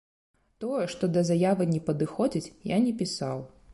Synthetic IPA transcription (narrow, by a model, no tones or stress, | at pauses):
t̪ɔjɛʂt̪ɔd̪ɐzajavɨnʲɛpɐd̪ɨxɔd͡zʲit͡sʲja̰nʲɛpʲisaw